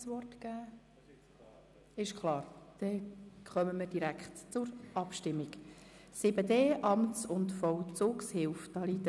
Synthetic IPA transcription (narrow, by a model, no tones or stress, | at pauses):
sʋɔrtkæː | ɪʃkʰlɑːɾd̥ɛχœməməɾd̥iɾækχtt͡sʊɾɑpʃtɪmːiksɪbədeːʔɑmtsʊntfɔwt͡suːkshɪlfd̥ɑliːdə